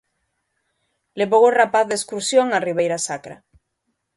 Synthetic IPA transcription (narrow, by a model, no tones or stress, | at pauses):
leβoworapaθðeskuɾsjoŋariβejɾasakɾa̰